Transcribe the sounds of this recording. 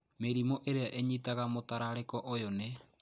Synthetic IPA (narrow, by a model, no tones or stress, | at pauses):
meɾimoʔeɾeaʔeɲitaɣamotaɾaɾekɔʔojone